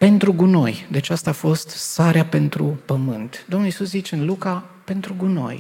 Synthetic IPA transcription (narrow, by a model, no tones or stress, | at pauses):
pe̞nt̪ɾuɡuno̞jd̪et͡ʃast̪aːfo̞st̪saɾeape̞nt̪ɾupəmɨnt̪d̪o̞mnulisuszit͡ʃeɨnluka | pe̞nt̪ɾuɡuno̞̰j